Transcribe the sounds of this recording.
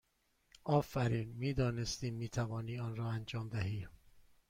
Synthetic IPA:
ʔɒːfæɾiːnmiːd̪ɒːnest̪iːmːiːt̪ʰævɒːniːɒːnɾɒːænd͡ʒɒːmd̪æɦiː

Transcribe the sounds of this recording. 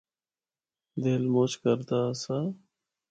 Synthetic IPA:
d̪eːlmoːt͡ʃkəɾt̪aːsaː

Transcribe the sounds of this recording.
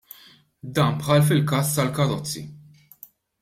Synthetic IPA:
d̪ɐːmpħɐlfɪlkɐːst̪ɐlkɐɾɔt͡sːḭ

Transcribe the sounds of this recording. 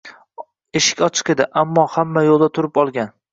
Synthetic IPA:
eʃɪ̥kʲɒt͡ʃʰɨ̥qe̞d̪ɪʔamːɒhamːajolˠd̪at̪ʰʊɾɪpɒlˠɡʲan

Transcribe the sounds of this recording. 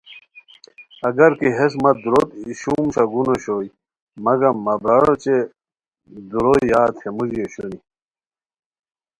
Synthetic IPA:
ɐɡɐɾkiɦesmɐd̪uɾot̪iɕuːmɕɐɡunoɕoːj | mɐɡɐmːɐbɾɐɾot͡ɕe | d̪uɾoiːaːt̪hemud͡ʑioɕuni

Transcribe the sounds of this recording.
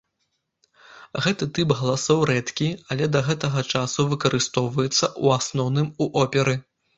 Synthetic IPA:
ɣɛt̪ɨt̪ɨpɣɐlˠasɔwɾɛt̪kʲiɐlʲɛd̪ɐɣɛt̪ɐɣɐt͡ʂasuvɨkɐɾɨst̪ɔwvɐjɛt̪sːɐʔuasnɔwnɨmuʔɔpʲɛɾɨ

